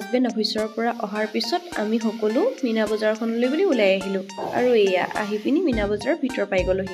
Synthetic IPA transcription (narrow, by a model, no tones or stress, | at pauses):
ɡbɛnɔɦɔjsɔɹɔpɔɹaʔɔɦaɹpisɔta̰mixɔkɔlʊminabɔzaɹɔkʰɔnɔlojbuliulajaɦilʊ̃a̰ɹuɛja̰ʔa̰ɦipiniminabɔzaɹɔbʱitɔɹpajɡɔloɦi